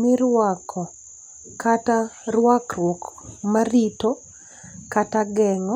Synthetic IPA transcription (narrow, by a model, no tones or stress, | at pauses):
mɪɾwakʰɔ | katarwakrwɔkmarito | kataɡɛŋɔ